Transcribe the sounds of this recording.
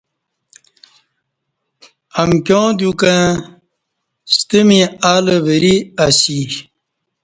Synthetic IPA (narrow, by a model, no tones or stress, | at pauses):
ɐmkjõːd̪jukã | st̪əmĩaːləvəɾiasi